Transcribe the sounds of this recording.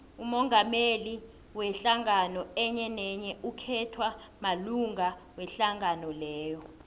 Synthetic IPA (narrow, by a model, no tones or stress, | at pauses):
umɔŋameli | wɛɬaŋanɔɛɲɛnɛɲɛukʰɛtʰwamaluŋawɛɬaŋanɔlɛːjɔ